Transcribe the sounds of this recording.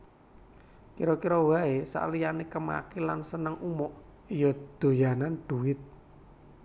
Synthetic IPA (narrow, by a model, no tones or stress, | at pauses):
kiɾɔkiɾɔwaesa̰ʔlijanekəma̰kilansənəŋʔumɔʔ | ijɔd̪̥o̤janand̪̥uwɪt̪̚